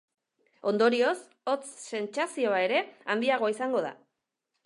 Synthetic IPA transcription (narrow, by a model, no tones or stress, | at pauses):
o̞nd̪o̞ɾio̞s | o̞t͡sːe̞nt͡sasio̞ae̞ɾe̞and̪iaɣ̞o̞isaŋɡo̞ð̞a̰